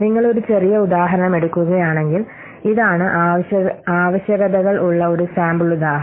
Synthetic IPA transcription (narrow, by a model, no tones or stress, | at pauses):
niŋːɐɭo̞ɾut͡ɕe̞rijɐud̪aːɦɐɾɐɳɐmeɽukʲːuɣɐjaːɳe̞ŋɡil | iðaːɳɨʔaɐaːʋɐɕjɐɣɐðɐɣɐɭʔuɭːɐo̞ɾusaːmbɨɭud̪aːɦɐ